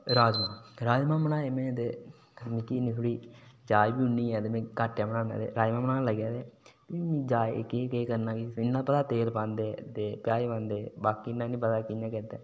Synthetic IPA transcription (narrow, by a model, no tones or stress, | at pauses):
ɾaːd͡ʒmãːɾaːd͡ʒmãːmənãːemẽːt̪eː | əmɪkiːnĩt̪ʰoːɽiːd͡ʒaːibiːʊnːiːɛ̃ːt̪eːmẽːkaʈːjaːmənãːna̰ːd̪ḛːɾaːd͡ʒmãːmənãːləɡjaːd̪eːtːimẽːd͡ʒa̰ːkikeːkəɾnãːkisɪnːãːpət̪aːt̪eːlpãːnd̪eːt̪eːpjaːipãːnd̪eːbaːkiɪnːãːnĩːp̬ət̪aːkɪjãːkɛt̪eː